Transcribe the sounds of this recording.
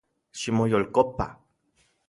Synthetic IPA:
ʃimojolkopa̰

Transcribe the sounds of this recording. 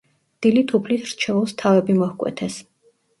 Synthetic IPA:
d̪̥ilit̪ʰupʰlit̪ʰɾt͡ʃʰɛvulˠst̪ʰavɛbimɔhkʼwɛ̰t̪ʰɛs

